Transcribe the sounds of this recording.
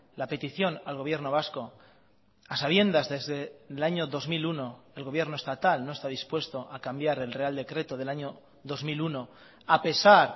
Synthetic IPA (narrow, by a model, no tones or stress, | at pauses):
lape̞t̪iθjo̞nalɣ̞o̞β̞je̞ɾnoβ̞asko̞ | asaβ̞je̞nd̪azðezðeðelaɲo̞ðo̞zmiluno̞e̞lɣoβje̞ɾno̞e̞st̪at̪alno̞e̞st̪aðispwe̞st̪o̞ʔakambjaɾe̞lre̞ald̪e̞kɾe̞t̪oðe̞laɲo̞ | ðo̞zmiluno̞ | ape̞saɾ